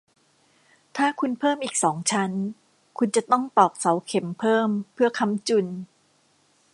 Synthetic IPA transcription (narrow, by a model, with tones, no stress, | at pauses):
t̪ʰaː˥˩kʰu˧npʰɤː˥˩mʔiː˨˩k̚sɔː˩˦ŋt͡ɕʰa˦˥n | kʰu˧nt͡ɕa˨˩t̪ɔ˥˩ŋp̪ɔː˨˩k̚sa˩˦wkʰe˩˦mpʰɤː˥˩mpʰɯ˥˩ɐkʰa˧˥˩mt͡ɕu˨˩n